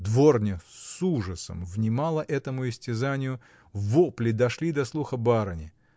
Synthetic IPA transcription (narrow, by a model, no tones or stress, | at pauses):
d̪vo̞rnʲɪsuʐəsə̰mvnʲɪmalˠəʔɛt̪əmʊɪsʲtʲɪzanʲɪjʊ | voplʲɪd̪ɐʂlʲid̪ɐslˠuxəbaɾənʲɪ